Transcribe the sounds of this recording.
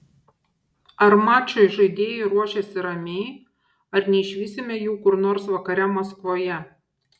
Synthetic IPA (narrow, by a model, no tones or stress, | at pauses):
ɐɾmɑːt͡ʃʲoɪʒɐɪd̪ʲeːjɛɪɾuɔʃʲɛsʲɪɾɐmʲeɪ | ɐɾnʲɛɪʃʲʋʲiːsʲɪmʲɛjuːkʊɾnoːɾsʋɐkɐɾʲɛmɐskʋoːjɛ